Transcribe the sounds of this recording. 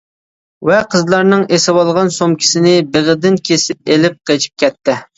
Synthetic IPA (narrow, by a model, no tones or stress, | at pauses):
wɛqʰəzlˠɑɾnɨŋesɪwɑlˠʁɑnsomkʲʰi̥sɪnɪbeʁəd̪ɪnkʲʰesɪp̚elɪp̚qʰet͡ʃʰi̥p̚kʲʰɛt̪ːɪ